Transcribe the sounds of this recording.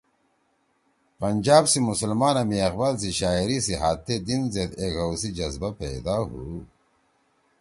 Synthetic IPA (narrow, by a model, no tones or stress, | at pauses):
pɐnd͡ʑaːbsimusɐlmaːnɐmiɐqbals̬iɕaːiɾisiɦaːt̪ʰːed̪inzed̪ekɐwsid͡ʑɐzbapḛːd̪aːɦṵ